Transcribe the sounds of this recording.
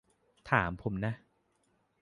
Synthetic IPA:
t̪ʰaː˩˦mpʰo˨˩˦mna˦˥ʔ

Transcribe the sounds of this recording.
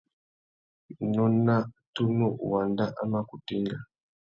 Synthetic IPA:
nɔ˦na˦tu˦nɔ˦˨wa˨nda˦ʔa˦ma˦ku˨tɛ˦ŋɡa˨

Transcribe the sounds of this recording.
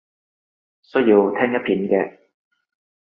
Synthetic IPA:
sɵ˥jiː˧wt̪ʰɛː˥ŋjɐ˥t̚pʰiː˨˥nkɛː˧

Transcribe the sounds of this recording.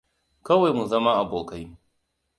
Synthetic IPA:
kɐ˦wa˨jmu˨zɐ˦ma˦ʔa˨boː˨ka˦j

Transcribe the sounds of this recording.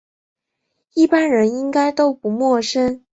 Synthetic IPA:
i˥˩pa˥nɻə˧˥ni˥ŋka˥ɪt̪o˥ʊpu˧˥mwɔ˥˩ʂə˥n

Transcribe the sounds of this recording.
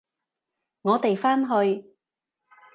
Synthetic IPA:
ŋɔː˨˧t̪e˨jfaː˥nɦɵ˧ɥ

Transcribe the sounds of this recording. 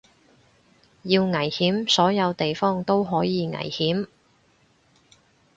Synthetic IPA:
jiː˧wŋɐ˨˩jhiː˨˥msɔː˨˥jɐ˨˧wt̪e˨jfɔː˥ŋt̪o˥wɦɔː˨˥jiː˨˧ŋɐ̰˨˩jhiː˨˥m

